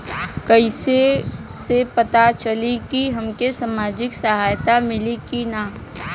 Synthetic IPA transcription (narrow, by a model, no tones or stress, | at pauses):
kɐisesepɐt̪at͡ʃɐlikiɦɐmkesamaːd͡ʒɪksəɦaːjt̪amɪlikina